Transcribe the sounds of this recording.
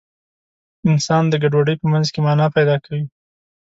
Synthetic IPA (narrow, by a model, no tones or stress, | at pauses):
ɪnsɑnd̪əɡaɖwaɖəjpəmanzkemɑnɑpajd̪ɑkawi